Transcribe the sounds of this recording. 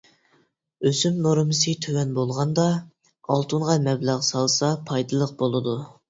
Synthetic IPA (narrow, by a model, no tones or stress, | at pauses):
øsymnoɾmɨsɨt̪ʰøwɛnbolˠʁɑnd̪ɑ | ɑlˠt̪ʰunʁɑmɛblæʁsɑlˠsɑpʰɑjd̪ɨlˠəq̚bolˠɨd̪u